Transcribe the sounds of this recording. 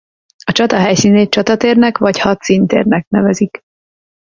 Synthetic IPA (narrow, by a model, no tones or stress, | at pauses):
ɒt͡ʃɒt̪ɒɦɛjsiːneːt͡ʃɒt̪ɒt̪eːrnɛkʋɒchɒt̪sint̪ḛːrnɛk̚nɛvɛzik